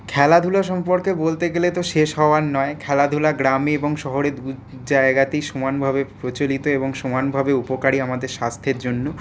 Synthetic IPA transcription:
kʰɛlad̪ʱulaʃɔmpoɾkebolt̪eɡelet̪oʃeʃɦɔoaɾnɔekʰɛlad̪ʱulaɡɾamieboŋʃɔɦoɾed̪u | d͡ʑaeɡat̪ejʃomanbʱabepɾot͡ɕolit̪oeboŋʃomanbʱabeupokaɽiamad̪eɾʃast̪ʰeɾd͡ʑonːo

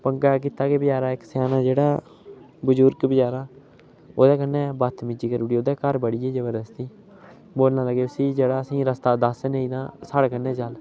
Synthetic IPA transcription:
pəŋɡaːk̬iːt̪aːkebɪd͡ʒaːɾãːɪksaːnãːd͡ʒeːɽaː | bəzʊɾɡbɪd͡ʒaːɾaː | oːd̪aːkənːɛ̃ːbət̪ʰmɪd͡ʒiːkəɾɽiːoːd̪ɛːkəɾbəɽiːɛːd͡ʒəbəɾəst̪iː | boːlnãːləɡeːsĩːd͡ʒeːɽaːəsĩːɾəst̪aːd̪əsneĩːd̪ãːsaːɽːkənːɛːt͡ʃal

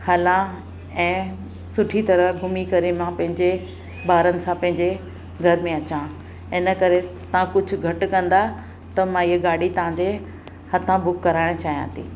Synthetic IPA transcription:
xaːlã | ɛ̃ː | sʊʈʰit̪ɐɾəɡʱʊmikɐɾemãpɐ̃ɦɪ̃ɲd͡ʑe | baːɾənɪ̆sãpɐ̃ɦɪ̃ɲd͡ʑe | ɡʱɐɾmẽɐt͡ɕã | ɪnəkɐɾet̪ɐʋãkʊd͡ʑʱʊ̆ɡʱɐʈkɐ̃nd̪a | t̪ɐmãɪɦəɡaːɽit̪ɐʋ̤ãd͡ʑe | hɐt̪ʰãbʊkːɐɾaːɪɽ̃t͡ɕaːɦijã̰ːt̪ʰiː

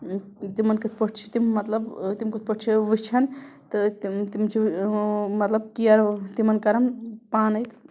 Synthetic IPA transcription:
t̪imɐnkɨt̪̚ʰpəʈ̚ʰt͡ʃʰi̥t̪imːɐt̪lɐbt̪imkɨt̪̚ʰpəʈ̚ʰt͡ʃʰiʋɨt͡ʃʰɐnt̪ɨt̪t̪imt͡ʃʰi | mɐt̪lɐb̚kijɐɾt̪imɐnkɐɾɐmpaːnɐjt̪

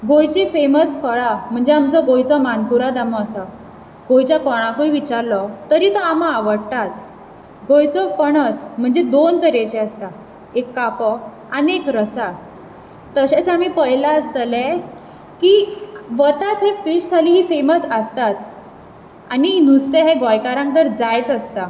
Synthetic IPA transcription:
ɡojt͡ɕiːfeməsfʰəɭam̤əɳd͡zeamt͡sɔɡojt͡sɔmankuɾad̪amɔːsa | ɡojt͡ɕjakɔɽ̃ãkojʋit͡ɕaɾlɔt̪əɾiːt̪ɔamaaʋəɽt̪at͡s | ɡʱojt͡sɔpəɳət͡sm̤əɳd͡zed̪ont̪əɾet͡ɕeəst̪a | ekːapɔ | aniekɾəsa | t̪əɕet͡samiːpəjlaəst̪əlɛ | kiʋət̪at̪ɦefiʂt̪ʰaliːɦiːfeməsəst̪at͡s | aninust̪eɦeɡɔjkaɾãŋk̚t̪əɾd͡zajt͡səst̪a

